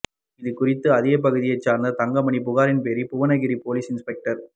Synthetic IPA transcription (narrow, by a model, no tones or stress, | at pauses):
ɪðɯkʊrɪt̪ːɯɐðɪːɐp̬ɐɣɯðɪjɐɪt͡ʃːaːɾnd̪ɐt̪ɐŋɡɐmɐɳip̬ʊɣaːɾɪnpeːɾipʊʋɐnɐɣɪɾipoːliːsɪnspɛk̚ʈɐɾ